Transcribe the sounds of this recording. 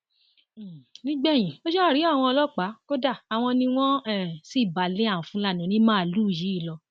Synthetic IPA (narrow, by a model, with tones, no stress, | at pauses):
nĩ˦ɡ͡bɛ˦˨j̃ĩ˨o˦ʃɛ˦˨ɾi˨˦a˦˨w̃ɔ̃˧ɔ˧lɔ˦k͡pa˨˦ko˦da˦˨a˨w̃ɔ̃˧nĩ˧w̃ɔ̃˦ɛ˦˨si˦˨ba˨le˦a˦˨ũ˨fũ˦la˦˨nĩ˨˦nĩ˦mãː˦˨lu˦˨ji˨˦i˦˨lɔ˧